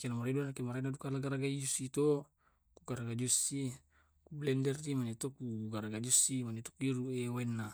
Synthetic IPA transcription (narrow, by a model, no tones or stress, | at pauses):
kenamaɾeduanakemaɾenadukalaɡaɾaɡaid͡ʒusit̪o | kuɡaɾaɡad͡ʒusi | kublɛndɛrt̪imanit̪okuɡaɾaɡad͡ʒusimanit̪o̥kiɾuewenːa